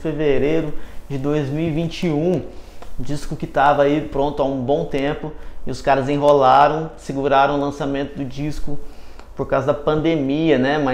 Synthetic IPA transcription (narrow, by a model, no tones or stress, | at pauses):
feveɾejɾʊd͡ʒɪd̪ojzmiwivĩnt͡ʃɪũud͡ʒiskʊkɪt̪avɐaipɾõnt̪ʊaũbõw̃t̪ẽpʊɪʊskaɾɐzzẽɦolaɾɐ̃w̃sɪɡuɾaɾɐ̃w̃lɐ̃samẽnt̪ʊd̪ʊd͡ʒiskʊ | poɾkawzɐd̪ɐpɐ̃nd̪emiɐnɛma